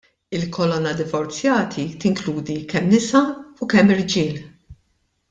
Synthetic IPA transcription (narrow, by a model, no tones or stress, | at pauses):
ɪlkʰɔlɔnːɐd̪ɪvɔɾt͡sjɐːt̪ʰit̪ɪŋkluːd̪ikɛmːnɪsɐukɛmːɪɾd͡ʒɪːl